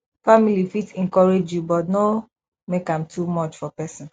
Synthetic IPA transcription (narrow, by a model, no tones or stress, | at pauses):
familifitɛ̃ŋkɔɹed͡ʒjubɔtno | mekãmtʰumɔt͡ʃfɔpɛsɔ̃n